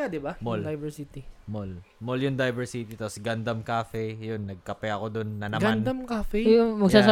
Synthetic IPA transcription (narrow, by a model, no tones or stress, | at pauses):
ad̪ɪbamold̪ɐjbɛsit̪imol | moljʊnd̪ɐjbɛɹsit̪it̪aposɡɐnd̪ɐmkaːfɛjonːɐɡ̚kɐpɛʔɐko̞d̪onːɐnɐɡmaannd̪ɐmkaːfɛmɐɡsaːs